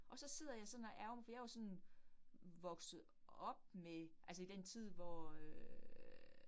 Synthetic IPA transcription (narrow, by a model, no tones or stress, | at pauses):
ʔɒ̽sɒ̽se̝ð̰ˠɐjɑ̈ɪsɒ̽næʔæɐʊmfɒjaʋɑsɒ̽n | ʋɒ̽ɡ̥sð̩ˠ | ɒ̽b̥̚meʔælsəid̥ent͡sʰið̰ˠʋɒ